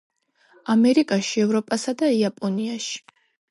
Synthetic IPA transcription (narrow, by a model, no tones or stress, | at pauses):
amɛɾikʼaʃiɛvɾɔpʼasad̪aiapʼɔniaʃi̥